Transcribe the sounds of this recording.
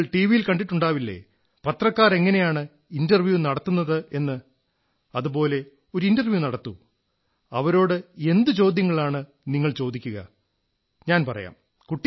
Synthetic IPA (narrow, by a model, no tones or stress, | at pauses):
ɭʈiːʋijilkɐɳɖiʈːuɳɖaːʋilːḛ | pɐt̪rɐkːaːre̞ŋːɐne̞jaːɳɨ | indɐrʋjunɐɽɐt̪ːunːɐðɨe̞nːɨ | ɐðupo̞ːle̞ | o̞ɾuindɐrʋjunɐɽɐt̪ːu | ɐʋɐɾo̞ːɽɨe̞nd̪ɨt͡ɕo̞ːd̪ʱjɐŋːɐɭaːɳɨ | niŋːɐɭt͡ɕo̞ːd̪ikʲːuɣɐ̰ | ɲaːnpɐrɐ̰ja̰ːm | kuʈːi